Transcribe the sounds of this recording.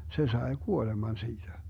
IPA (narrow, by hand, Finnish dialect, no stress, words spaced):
se sɑe kuolemɑn siːd̥æ